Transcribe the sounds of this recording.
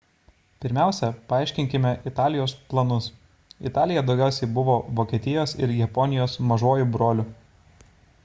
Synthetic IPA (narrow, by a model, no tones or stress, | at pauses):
pʲɪɾʲmʲæˑʊsʲɛpɐɑˑɪʃʲkʲɪŋʲkʲɪmʲɛʔɪt̪ɑːlʲɪjoːsplˠɐnʊs | ɪ̰t̪ɑːlʲɪjɛd̪ɒʊɡʲæˑʊsʲɛɪbʊʋoːʋoːkʲieːt̪ʲɪjoːsɪ̰ɾjɛpɔnʲɪjoːsmɐʒoːjuˑbɾoːlʲʊ